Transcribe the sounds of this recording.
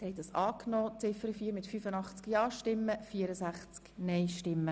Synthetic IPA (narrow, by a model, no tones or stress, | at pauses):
hɛɪd̪ɑsɑːknɔːt͡sɪfəɾəfiːɾmɪtfyfənɑχt͡skjɑːʃtɪmːəfiəɾəsæχt͡sknɛɪʃtɪmːə